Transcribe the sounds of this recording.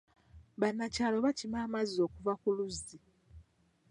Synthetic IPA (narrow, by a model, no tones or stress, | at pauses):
βanːacaːlo̞βacimaːmazo̞ːkuvakuluzi